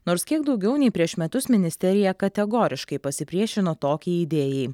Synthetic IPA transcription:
noːɾskʲiɛɡ̚d̪ɒʊɡʲɛʊnʲɛɪpʲɾʲiɛʃmʲɛt̪ʊsmʲɪnʲɪsʲt̪ʲɛɾʲɪjɛkɐt̪ʲɛɡoːɾʲɪʃkɐɪpɐsʲɪpʲɾʲiɛʃʲɪnoːt̪oːkʲiːid̪ʲeːjɛɪ

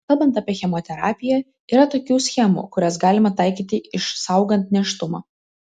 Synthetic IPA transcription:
kɐlˠbɐnt̪ɐːpʲiɛxʲɛmot̪ʲɛɾɑːpʲɪjɛ | iːɾɐt̪oːkʲuːsʲxʲɛmṵːkʊɾʲɛsɡɑːlʲɪmɐt̪ɑˑɪkʲiːt̪ʲɪʔɪʃsɑˑʊɡɐnt̪nʲɛʃt̪ʊmo̰

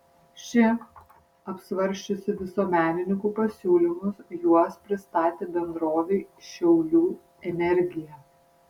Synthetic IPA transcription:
ʃʲɪ | ɐpsʋɐɾʲʃʲt͡ʃʲʊsʲɪʋʲɪsoːmʲæːnʲɪnʲɪŋkuːpɐsʲuːlʲɪmʊsjuɔspʲɾʲɪst̪ɑːt̪ʲeːbʲɛnd̪ɾoːʋʲɛɪʃʲɛʊlʲuː | ɛnʲɛɾʲɡʲɪjɛ

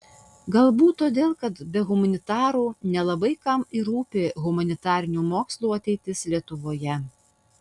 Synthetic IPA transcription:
ɡɐlˠbuːt̪ːoːd̪ʲeːlˠkɐt̪bʲɛɣʊmɐnʲɪt̪ɑːɾuːnʲɛlˠɐbɐɪkɐmiɾuːpʲeɣʊmɐnʲɪt̪ɑːɾʲɪnʲuːmoːkslˠuːɐt̪ʲɛɪt̪ʲɪslʲiɛt̪ʊʋoːjɛ

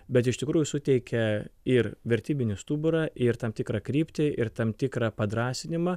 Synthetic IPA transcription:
bʲɛt̪ɪʃʲt̪ʲɪkɾuːjʊsʊt̪ʲɛɪkʲɛɪrʋʲɛɾʲt̪ʲiːbʲɪnʲɪst̪uːbʊɾɑːʔɪɾt̪ɐmt̪ʲɪkɾɑkɾʲiːpʲt̪ʲɪʔɪrt̪ɐmt̪ʲɪkɾɑːpɐd̪ɾɑːsʲɪnʲɪmɐ

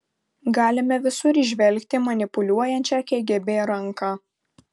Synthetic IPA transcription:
ɡɑːlʲɪmʲɛʋʲɪsʊɾiʒʲʋʲɛlʲkt̪ʲɪmɐnʲɪpʊlʲuɔjɛnʲt͡ʃʲɛkʲɛːɡʲɛbʲeːɾɐŋkɑː

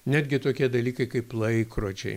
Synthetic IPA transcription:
nʲæːd̪ʲɡʲɪt̪oːkʲiɛd̪ɐlʲiːkɐɪkɐɪplˠɐɪkɾoːt͡ʃʲɛ̰ɪ

